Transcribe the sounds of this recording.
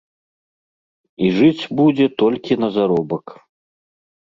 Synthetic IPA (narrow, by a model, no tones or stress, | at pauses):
iʐɨt͡sʲbud͡zʲɛt̪ɔlʲkʲinɐzaɾɔbɐk